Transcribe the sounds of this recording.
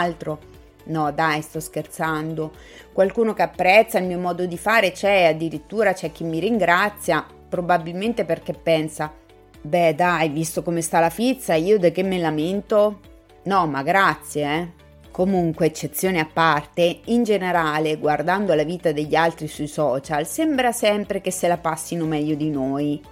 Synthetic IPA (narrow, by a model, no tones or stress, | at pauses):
lt̪ɾo | nɔd̪ajst̪ɔskert̪sand̪o | kwalkuːnokeapːɾɛt̪sːailmiːomɔːd̪od̪ifaːɾet͡ʃɛad̪ːiɾit̪ːuːɾat͡ʃɛk̟ːimːiɾiŋɡɾat̪sːja | pɾobabilment̪eperkepːɛnsa | bɛd̪ajvist̪okomest̪alafit̪sːaiːod̪ak̟ːemːelament̪o | nɔmaɡɾat̪sːjeɛ | komuŋkweːt͡ʃːet̪sːjoːneapːart̪eind͡ʒeneɾaːleɡward̪and̪olaviːt̪ad̪eʎːalt̪ɾisuisɔːt͡ʃalsembɾasɛmpɾekesːelapasːinomɛʎːod̪inoj